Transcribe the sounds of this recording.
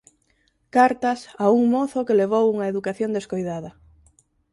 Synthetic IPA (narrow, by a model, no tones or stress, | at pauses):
kaɾt̪asauŋmoθokeleβ̞owuŋaeðukaθjond̪eskojðað̞ɐ